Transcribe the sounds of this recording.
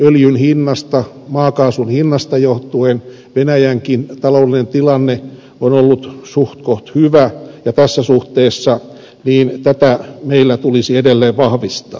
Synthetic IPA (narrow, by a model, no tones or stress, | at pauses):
øljynhinːɑst̪ɑ | mɑːkɑːsunhinːɑst̪ɑjoht̪uen | ʋenæjæŋkint̪ɑloudlinent̪ilɑnːe | onolːut̪suht̪koht̪hyʋæjɑt̪æsːæsuht̪eːsːɑ | niːnt̪æt̪æmeilːæt̪ulisiedelːeːʋʋɑhʋist̪ɑ̰ː